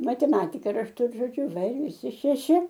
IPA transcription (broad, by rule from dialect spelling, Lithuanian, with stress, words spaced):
mɐtʲɛˈmɑːtʲɪkɐ rɐʃˈtʊ ɪr ʒoːˈd͡ʒʲʊ ˈʋɐ ɪr ʋʲɪˈsʲɪ ʃʲɛˈʃʲɪ